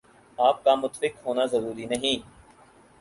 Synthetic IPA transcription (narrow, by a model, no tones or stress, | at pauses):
aːp̚kamʊt̪fɪkɦoːnazəɾuːɾinəɦĩː